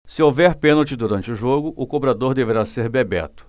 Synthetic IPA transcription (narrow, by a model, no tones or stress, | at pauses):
sɪowvɛɾpẽnowt͡ʃɪd̪uɾɐ̃nt͡ʃɪʊʒoɡʊʔʊkobɾad̪oɾd̪eveɾaseɾbebɛ̰t̪ʊ̥